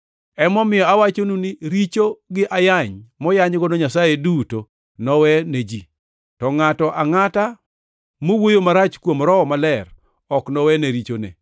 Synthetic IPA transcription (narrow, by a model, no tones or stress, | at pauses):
ɛmɔmɪjɔawat͡ʃonunɪɾit͡ʃoɡɪʔajaɲmɔjaɲɡɔnoɲasajeduto | nɔwɛned͡ʒi | tɔŋatɔʔaŋata | mowojomaɾat͡ʃkwomɾɔmalɛr | ɔknɔwɛneɾit͡ʃonḛ